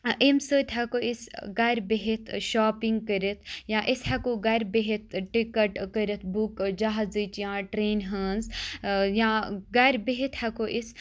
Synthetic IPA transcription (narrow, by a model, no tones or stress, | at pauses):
ʔemsəːt̪ʲɦɐkoisɡɐɾʲbeɦit̪ʰʃaːpiŋɡ̚kəɾit̪ʰjãːʔishɐkoɡɐɾʲbeɦit̪̚ʰʈikɐʈkəɾit̪ʰbukd͡ʒaɦazɨt͡ʃjãːʈɾeːnɦəːnzjãːɡɐɾʲbeɦit̪hɐkoʔis